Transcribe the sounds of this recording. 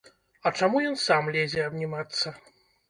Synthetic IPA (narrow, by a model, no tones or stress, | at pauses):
ɐt͡ʂamujɔnsamlʲezʲɛɐbnʲimat̪sːɐ